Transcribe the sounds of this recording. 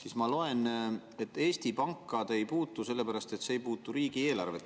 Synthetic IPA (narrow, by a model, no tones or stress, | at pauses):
sismɑlo̞e̞n | e̞t̪ːˑe̞ːst̪ipɑŋkːˑɑd̪̥e̞jpuːt̪ːˑuse̞lːe̞pæɾɑst̪et̪se̞ejpuːt̪ːˑuɾiːɡ̥ie̞ːlɑ̰rve